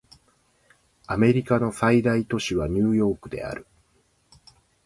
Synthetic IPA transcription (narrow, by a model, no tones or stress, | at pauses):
ame̞ɾʲikano̞said̪ait̪o̞ɕiβaɲ̟ɨːjo̞ːkɯ̟d̪e̞̰a̰ɾɯ̟